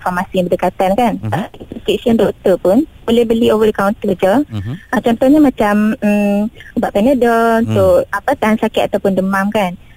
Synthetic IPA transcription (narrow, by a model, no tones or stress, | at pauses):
nfɔrmasiŋbədəkat̪ankanəst̪eʔsiɔndɔkt̪əpʊnbolɛhbəliovədəkawnt̪əəd͡ʒəʔət͡ʃɔnt̪ɔhɲamãt͡ʃam̩ | ubaʔpɛnədənt̪ʊapat̪aɦansakɪt̪at̪awpʊndəmãmkan